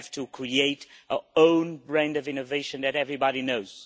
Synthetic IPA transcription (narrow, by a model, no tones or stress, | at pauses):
v̥tʰɨkʰɹieɪtəõʊ̃nbɹæ̃ndʌvɪ̃nɨveɪʃɨ̃nðɨɾɛvɹibɑɾinoʊz̥